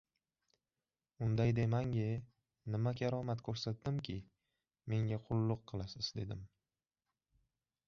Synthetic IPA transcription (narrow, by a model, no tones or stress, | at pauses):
ʊnd̪ajd̪emaŋʲɪ | nɪmakʲʰaɾɒmat̪kʰɵɾsat̪̚d̪ɪmkʲʰɪ | me̞ŋʲaqʰʊlˠːʊqʰːɨlˠasɪz̥d̪e̞d̪ɪm